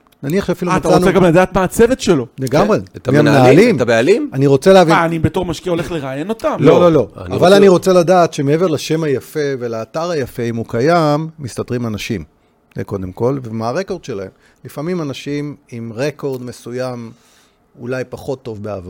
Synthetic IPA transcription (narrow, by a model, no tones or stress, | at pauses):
naniaχʃeafiluattaʁoneɡamladaːt̪maːt͡sevetʃeloleɡaʁetmamnalimbealimaniʁo̞t͡seleavianibeto̞ʁmaʃkiao̞le̞χleʁaːjeno̞t̪amlololo̞avalaniʁo̞t͡seladaːt̪ʃemee̞ve̞ʁlaʃe̞majafe̞velaːtaʁajafe̞imukajamːist̪atʁimanaʃim | ko̞d̪e̞mko̞lvemaaʁe̞ko̞ʁd̥̪ʃe̞lahe̞m | lifamimanaʃimimʁeko̞ʁd̪me̞sujam | ulajpaχo̞t̪ːo̞vbea̰va